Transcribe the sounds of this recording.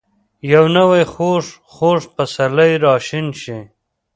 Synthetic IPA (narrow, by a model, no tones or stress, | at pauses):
jawnawajxoʂ | χoːʂpasalajɾɑːʃɪnʃi